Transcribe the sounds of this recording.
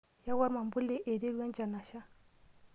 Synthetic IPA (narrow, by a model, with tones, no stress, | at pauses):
ja˦wa˦ɾma˨mbu˦lːe˦ʔe˨de˦du˦e˦nd͡ʒa˨nːa˨ʃa˦